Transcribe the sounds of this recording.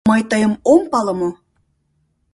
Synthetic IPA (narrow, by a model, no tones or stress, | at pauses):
mɤjt̪əjə̆mompɑlɤ̆mo